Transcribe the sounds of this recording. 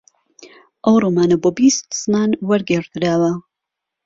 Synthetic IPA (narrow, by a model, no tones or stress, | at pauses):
ʔɐwromaːnɐboːbist̪snaːnwɐɾɡeɾd̪ɨɾaːwɐ